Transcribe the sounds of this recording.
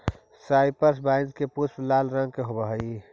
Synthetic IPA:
saɪpəɾs̬baɪnd̪kepusplalɾə̃ŋɡ̚keɦobəɦəi

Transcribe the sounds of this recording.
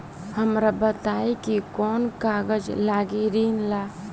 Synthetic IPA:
həmɾabət̪aikikɔːnkaɡəd͡ʒlaɡiɾiːnla

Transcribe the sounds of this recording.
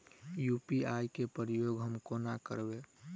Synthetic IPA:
jupiajkepəɾɪjoɡɦəmkonakəɾbe

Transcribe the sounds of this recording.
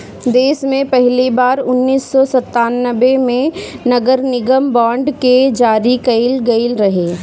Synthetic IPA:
d̪eːsmẽpɛɦlibaːɾʊnːiːsːɔsɐt̪ːaːnːəʋemẽnɐɡəɾnɪɡəmbãːɳɖked͡ʒaːɾikɐɪlɡɐɪlɾɐɦeː

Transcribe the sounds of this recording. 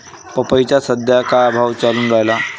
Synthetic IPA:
pəpəjt͡ɕasəd̪ʱjakaːbʱaʋt͡ɕaluːnɾajla

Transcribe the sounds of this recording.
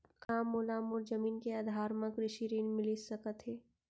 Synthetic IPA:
kaːmoːlaːmʊɾd͡ʒəmiːnkeaːd̪ʱaːɾmãkɾɪʃiɾiːnmɪlisɐkət̪ɦɛː

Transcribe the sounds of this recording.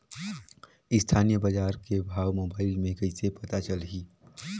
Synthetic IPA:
ɪst̪ʰaːnijəbɐd͡ʒaːɾkebʱaːʋmoːbaːɪlmẽkəisepɐt̪at͡ʃəlɦiː

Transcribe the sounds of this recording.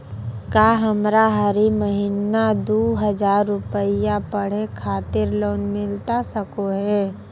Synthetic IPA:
kaːɦəmɾaɦəɾiməɦinad̪oːɦəd͡ʒaːɾːʊpəɪjapəɽ̤ekʰaːt̪ɪɾloːnmɪlt̪asəkoɦɛː

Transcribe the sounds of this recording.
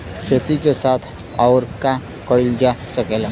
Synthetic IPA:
kʰet̪ikesat̪ʰ | awɾka | kəɽild͡ʑasəkela

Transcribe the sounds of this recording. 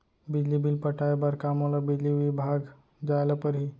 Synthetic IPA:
bid͡ʑlibilpəʈʰajbəɾkamolabid͡ʑliʋibʱaɡ | d͡zajlapəɾɦi

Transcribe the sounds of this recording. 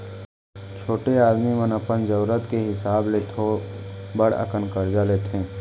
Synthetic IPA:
t͡ʃʰoːʈeaːd̪mimənəpənd͡ʒəɾɾət̪keɦɪsaːbleːt̪ʰobəɽə̰kənkəɾd͡ʒaːleːt̪ʰẽː

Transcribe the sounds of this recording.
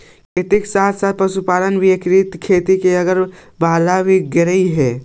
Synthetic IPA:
kʰet̪iksaːt̪ʰsaːt̪̚pɐsupaːlənʋʱiekɾit̪kʰeːt̪ikeɐɡəɾ | baːlabʱiɡɪɾəiɦɛː

